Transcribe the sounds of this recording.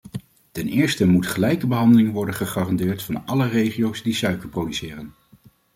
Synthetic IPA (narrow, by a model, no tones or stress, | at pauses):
tɛnɪːɹstəmutχəlɛjkəbəɦɑndəlɪŋʋɔɹdəχəχɑːrɑndɪːɹtfɑnɑlərejχijowsdisœɥkəɹprowdysɪːrən